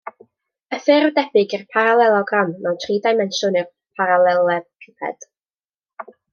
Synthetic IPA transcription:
əfɪrdɛbɪɡirpʰaɾalˠɛlˠɔɡramnɔtʰriːdajmɛnʃʊnir | pʰaɾalˠɛlˠɛpʰɪpʰɛ̰d̥

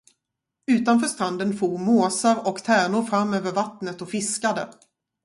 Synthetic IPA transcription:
ʉ̟ːt̪anfœːʂt̪ɾand̪ənfuːɾmoːsaɾɔkt̪ʰæːɳʊɾfɾamːøːvəɾvat̪nət̪ɔfɪskad̪ə̰

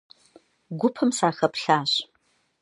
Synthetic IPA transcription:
ɡʷʊpʰɨmsaːxɐpɬaːɕ

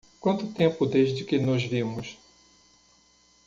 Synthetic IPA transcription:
kwɐ̃nt̪ʊt̪ẽmpʊd̪eʒd͡ʒɪkɪnʊzvĩmʊs

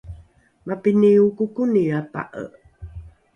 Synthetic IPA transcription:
mapiniukukuniapa̰ʔə̰

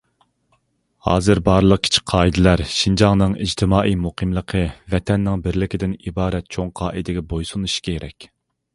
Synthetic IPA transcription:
hɑ̰ːzɨɾbɑɾlˠəq̚kʰʲi̥t͡ʃʰi̥qʰɑːid̪ɨlæɾʃind͡ʒɑŋnɨŋḭd͡ʒt̪ʰɪmɑːʔijmuqʰəmlˠəqʰəvɛt̪ʰɛnːɪŋbɪɾlɪkʲʰɪd̪ɪnibɑːɾɛt̪̚t͡ʃʰoŋqʰɑːʔɨd̪ɪɡʲɛbojsunuʃkʲʰeeɾɛ̰kʲ

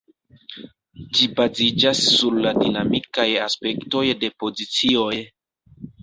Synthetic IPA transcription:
d͡ʒibazid͡ʒasːuɾladinamikajaspe̞kto̞jde̞po̞zit͡sio̞j

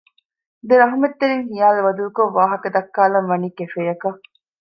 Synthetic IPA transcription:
d̪eɾɐɦumɐt̪ːeɾiŋhijaːlɐʋɐd̪ulukoʋʋaːɦɐkɐd̪ɐkːaːlɐnʋɐniːkefejɐkɐ

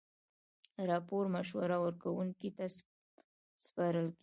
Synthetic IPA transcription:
ɾɑpoɾmaʃwaɾawəɾkawuŋkit̪a | spɑɾəlk

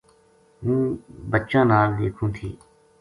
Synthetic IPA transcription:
mũːbətːt͡ʃãːnaːlːeːkʰũːt̪ʰiː

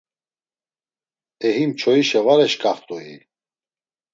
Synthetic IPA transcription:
ɛɦimt͡ʃʰɔiʃɛvaɾɛʃkʼaχt̪ʼuhḭ

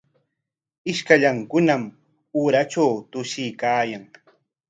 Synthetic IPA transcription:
ɪʃkaʎaŋkʊnam | uːɾat͡ʃawt̪ʊʃɪjkaːjaŋ

